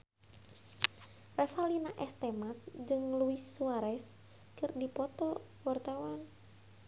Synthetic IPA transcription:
rɛfalinaʔɛst̪ɛmat̪̚d͡ʒɨŋluisːuaɾɛs | kɨrdipɔt̪ɔ | wart̪awan

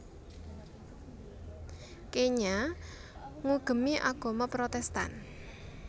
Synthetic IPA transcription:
keɲa | ŋuɡ̥ə̤miʔaɡ̥ɔ̤mapɾot̪ɛst̪a̰n

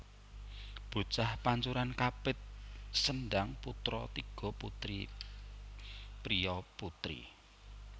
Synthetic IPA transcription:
b̥ṳt͡ʃahpaɲt͡ʃuɾankapɪt̪̚sənɖaŋput̪ɾɔt̪iɡ̥ɔ̤put̪ɾḭ | pɾiɔput̪ɾḭ

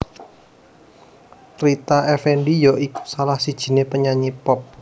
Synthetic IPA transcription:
ɾit̪aɛfɛɳɖijɔʔiku̥salahsid̥ʒ̥i̤nepəɲaɲipɔp̚

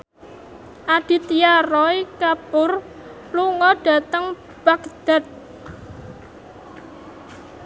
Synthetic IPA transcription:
ʔad̥i̤t̪ijaɾɔikapʊr | luŋɔɖ̥a̤t̪əŋ | b̥akd̪̥a̤t̪̚

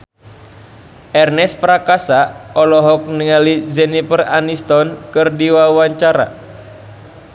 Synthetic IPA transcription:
ʔɛrnɛspɾakasaɔlɔɦɔk̚niŋalizɛnipəranist̪ɔnkɨrdiwauwaɲt͡ʃaɾa̰

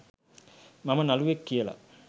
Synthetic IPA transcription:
mamɐnaluʋekːijəla̰

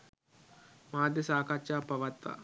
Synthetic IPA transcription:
maːd̪əsaːkat͡ʃaːpɐʋɐt̪ʋa̰

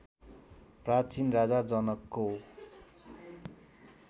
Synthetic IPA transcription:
prat͡sinrad͡zad͡zʌnʌkːo

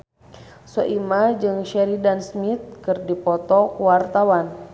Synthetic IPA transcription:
sɔʔimad͡ʒɨŋʃɛɾidansmit̪̚kɨrdipɔt̪ɔkuwart̪awan

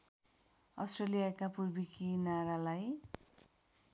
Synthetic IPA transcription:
ʌsʈrelijakapurbikinaɾalaj

